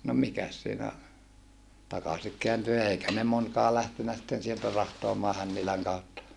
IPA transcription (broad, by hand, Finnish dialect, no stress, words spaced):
no mikæs siːnæ tɑkɑsik keænty eikæ ne monkɑː læhtenæ sĭtːen sieltæ rɑhtoɑmɑː hænːilæŋ kɑutːɑ